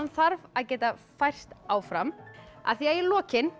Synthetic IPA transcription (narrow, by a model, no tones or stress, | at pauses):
nθaɾvaðcɛːt̪afajr̥st̪aːwfɾama̰θiaɛlɔːcɪn